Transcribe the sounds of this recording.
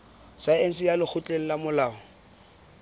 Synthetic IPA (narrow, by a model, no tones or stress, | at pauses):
saen̩sɪjalɪk͡xʰʊt͡ɬʼeŋ̩lamʊlaːɔ